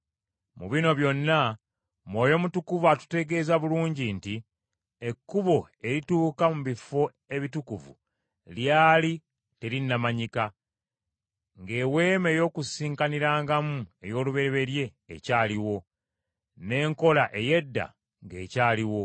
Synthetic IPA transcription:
muβino̞βjo̞nːa | mwo̞ːjo̞mutukuvatu̥te̞ɡe̞ːzaβuluːɲɟinti | e̞kːuβo̞ | e̞ɾituːkamuβifo̞ | e̞βitukuvṵ | ljaːli | te̞ɾinːamaɲika | ŋɡe̞we̞ːme̞ːjo̞ːkusiːŋkaniɾaːŋɡamue̞jo̞ːluβe̞ɾeβe̞ɾje̞̰ːcaːliwo̞ | ne̞ːŋko̞laʔe̞je̞dːa̰ | ŋɡe̞ːcaːliwo̞

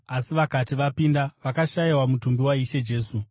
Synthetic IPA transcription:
asiʋakatiʋapindaʋakaʃaiwamutumbiwaiʃe̞d͡ʒe̞ːsu

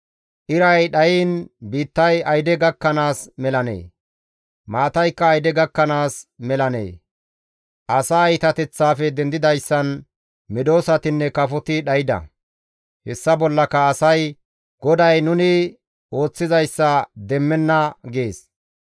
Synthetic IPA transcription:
ʔɪɾɐjɗɐjiːnbiːt̪ːɐjɐjd̪ɛɡɐkːɐnaːsmɛlɐnḛː | maːt̪ɐjkːɐːjd̪ɛɡɐkːɐnaːsmɛlɐnḛː | ʔɐsaːɪt̪ɐt̪ɛt͡sːaːfɛd̪ɛnd̪ɪd̪ɐjsːɐn | mɪd̪o̞ːsɐt̪ɪnːɛkɐfɔt̪ɪɗɐjɪd̪ɐ̰ | hɛsːɐbɔlːɐkɐːsɐj | ɡ̥ɔd̪ɐjnʊnɪ | o̞ːt͡sːɪzɐjsːɐd̪ɛmːɛnːɐɡe̞ːs

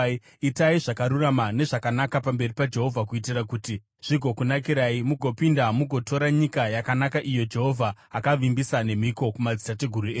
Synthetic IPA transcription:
itaiʐakaɾuramane̞ʐakanakapambe̞ripad͡ʒe̞ɦo̞vʱak̬uitirakuːti | ʐ̥iɡʱo̞kunakiɾaimuɡʱo̞pindamuɡʱo̞to̞ɾaɲikajakanakaʔijo̞d͡ʒe̞ɦo̞vʱaːkaʋimbisane̞miko̞kumad͡zitate̞ɡʱuɾue

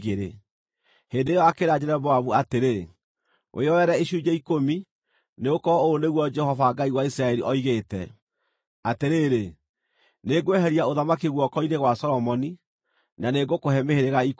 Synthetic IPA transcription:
ɣeɾḛ | heːndeːjɔakeɾad͡ʑeɾɛbɔaβuateɾe | wʔḛɔɛɾɛeʃud͡ʒɛikomi | neɣokɔoːneɣwɔd͡ʒɛhɔvaɡaiwaisɾaɛɾiʔɔiɣetɛ̰ | ateɾeːɾe | neɡwɛɦɛɾiaoðamakeɣwɔkɔineɣwasɔɾɔmɔni | naneɡokoɦɛmeheɾeɣaik

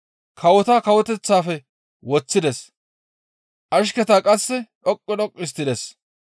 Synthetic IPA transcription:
kʰɐwɔt̪aːkɐwɔt̪ɛt͡sːaːfɛ | wɔt͡sːɪd̪ɛs | ʔɐʃkɛt̪aːkʼɐsːɛᶑɔkʼːɔɗɔkʼːɪs̬t̪ːɪd̪ɛs

